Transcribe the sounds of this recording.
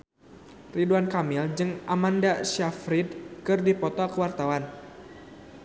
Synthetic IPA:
riduankamɪld͡ʒɨŋʔamandaʃafɾid̚kɨrdipɔt̪ɔkəwart̪awan

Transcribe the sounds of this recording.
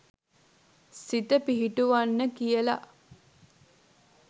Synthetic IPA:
sit̪əpiɦiʈuʋanːəkijəla̰

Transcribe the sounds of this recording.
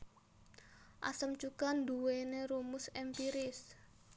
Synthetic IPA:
ʔa̰səmt͡ʃukand̪uweneɾumʊsɛmpiɾɪs

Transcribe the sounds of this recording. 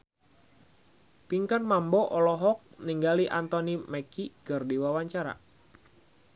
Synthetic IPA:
piŋkanmambɔʔɔlɔɦɔk̚niŋɡaliʔant̪ɔnimɛkikərdiwawaɲt͡ʃaɾa̰

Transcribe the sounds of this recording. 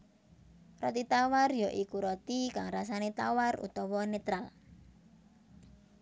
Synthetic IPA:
rɔt̪it̪awarjɔʔikuɾɔt̪ikaŋrasanet̪awarṵt̪ɔwɔnɛt̪ɾal

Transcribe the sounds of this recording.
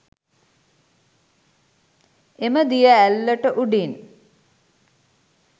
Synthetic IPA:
eməd̪ijəælːəʈəʔuɖin

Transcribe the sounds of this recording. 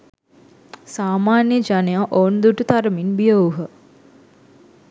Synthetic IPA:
saːmaːnjəd͡ʒanejaʔoːnd̪uʈut̪aɾəminbijəuɦə

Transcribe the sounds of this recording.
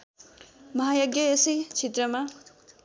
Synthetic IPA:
mʌɦajoɡjʌesʌjt͡sʰet̪rʌma

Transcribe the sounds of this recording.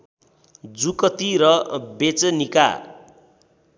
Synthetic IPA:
d͡zukʌt̪iɾʌbet͡sʌnika̰

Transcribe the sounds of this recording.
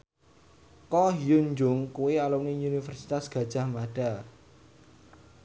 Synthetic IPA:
kɔɦijuɲd͡ʒʊŋkuwealumniunifɛrsi̥t̪asɡ̥a̤d̥ʒ̥a̤hmaɖ̥a

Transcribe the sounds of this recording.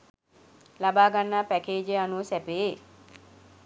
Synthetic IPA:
labaːɡanːaːpækeːd͡ʒeanusɛpeː

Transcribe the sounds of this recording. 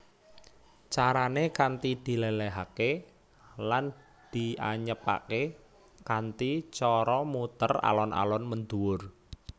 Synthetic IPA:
t͡ʃaɾanekant̪id̪̥i̤leleɦake | lan | d̪̥i̤aɲəpa̰ke | kant̪it͡ʃɔɾɔmut̪əra̰lɔna̰lɔnmənd̪uwʊr

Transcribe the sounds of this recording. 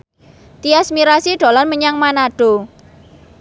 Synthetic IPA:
t̪iasmiɾasiɖ̥o̤lanməɲaŋmanaɖ̥o̤

